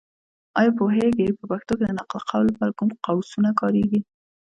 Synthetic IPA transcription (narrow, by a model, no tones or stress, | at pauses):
ɑjɑpoɦeɡepəpaxt̪oked̪ənaqlqʰawlpaɾkumqawsunakɑɾeɡi